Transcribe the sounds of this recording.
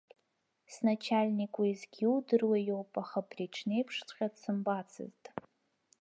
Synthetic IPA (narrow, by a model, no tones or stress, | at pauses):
snat͡ʃʰalʲnikʼaizɡʲiwdɨrwajo̞wpʼaχapʰriʈ͡ʂʰne̞jpʰʂt͡sʷʰʼχʲadsɨmbat͡sʰɨ̰ztʼ